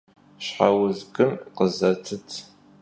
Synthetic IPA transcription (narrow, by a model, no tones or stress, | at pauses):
ɕħawʊzɡɨmqəzɐtʰɨtʰ